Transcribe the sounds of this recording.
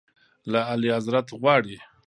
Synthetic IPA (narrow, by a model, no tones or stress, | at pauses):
laːlihazɾat̪ɣwɑɽi